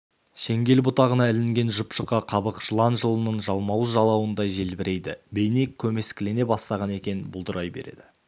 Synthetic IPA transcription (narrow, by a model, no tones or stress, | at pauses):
ʃe̞ŋɡʲe̞lbʊt̪ɑʁənɑɪlɪŋɡʲe̞nʒʊpʃəqɑqʰɑbəqʒ̥əlˠɑnʒəlˠənəɴʒɑlˠmɑwəzʒɑlˠɑwənd̪ɑjʒe̞lbɪɾʔe̞jd̪ɪbe̞jnekʲʰːɵme̞skʲɪle̞ne̞bɑst̪ɑʁɑne̞kʲe̞nɪnbʊlˠd̪əɾʔɑjbe̞̰ɾe̞̰d̪̥ɪ